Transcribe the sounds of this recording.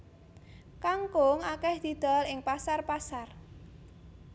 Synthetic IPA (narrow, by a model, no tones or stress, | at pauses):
kaŋkʊŋakɛhd̪̥i̤d̪̥a̤lɪŋpasarpasar